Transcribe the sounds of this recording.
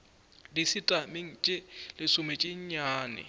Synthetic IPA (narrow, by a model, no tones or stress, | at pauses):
disitʼamɪŋ̩t͡ʃʼɪlɪsʊmɛt͡ʃʼɪɲ̩ɲaːnɪ̰